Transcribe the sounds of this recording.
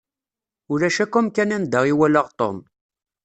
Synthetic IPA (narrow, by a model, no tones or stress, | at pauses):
ʊlæʃækumkænænd̪əʁiwæləʁt̪ˤo̰m